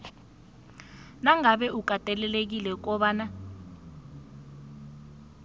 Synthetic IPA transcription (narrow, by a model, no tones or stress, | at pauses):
naŋaɓɛuk̬ʼatʼɛlɛlek̬ilɛk̬ɔɓaːna